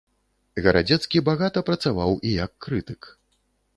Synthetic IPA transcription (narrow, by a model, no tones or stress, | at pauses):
ɣɐɾad͡zʲɛt̪skʲibaɣat̪ɐpɾɐt̪savawijɐkːɾɨt̪ɨk